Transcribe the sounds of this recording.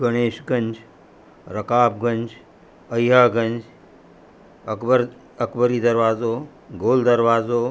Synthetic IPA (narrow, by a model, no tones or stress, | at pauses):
ɡɐɽ̃eːʃɡɐɲʲd͡ʒ | ɾɐkaːpɡɐɲd͡ʒ | əjɦaɡɐnd͡ʒ | ɐkbəɾ | ɐkbəɾiːd̪ɐɾʋaːzoː | ɡoːld̪ɐɾʋaːzoː